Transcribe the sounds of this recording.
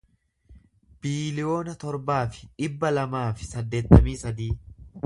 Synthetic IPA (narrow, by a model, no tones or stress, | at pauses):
b̥iːlɪjo̞ːnɐt̪ɔɾbaːfɪ̥ᶑɪbːɐlɐmaːfɪ̥sɐd̪ːe̞ːt̪ːɐmiːsɐd̪iː